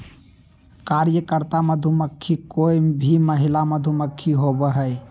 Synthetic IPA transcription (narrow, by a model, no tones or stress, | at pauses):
kaɾjəkəɾt̪aməd̪ʱuməkʰːikoibʱiməɦilaməd̪ʱuməkʰːiɦobəɦəj